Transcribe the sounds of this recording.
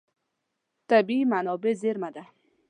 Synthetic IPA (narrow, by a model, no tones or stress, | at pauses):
t̪abimanɔbezeɾmad̪a